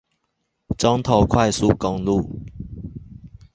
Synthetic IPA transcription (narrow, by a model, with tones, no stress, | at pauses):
t͡sɔ˦ŋt̪ʰɔ˧kʰwa˥˧jsu˥˦˨kɔ˧ŋlu˥˨